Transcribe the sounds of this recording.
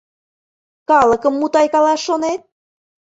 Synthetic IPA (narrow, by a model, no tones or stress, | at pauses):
kɑləkə̆mːut̪ɑjkɑlɑʃːonet̪̚